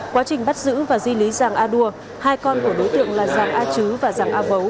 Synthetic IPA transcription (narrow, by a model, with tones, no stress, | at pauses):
kwaː˨˦t͡ɕï˨˩ŋ̟ɓa˦˥t̚zɨ̰˧˥vaː˨˩zwi˧li˨˦zaː˨˩ŋʔaː˧ɗu˧ə | haː˧jkɔ˧nku˧˩əɗo˨˦jt̪ɨ̰˧˨əŋlaː˨˩zaː˨˩ŋʔaː˧t͡ɕɨ˨˦vaː˨˩zaː˨˩ŋʔaː˧və˨˦w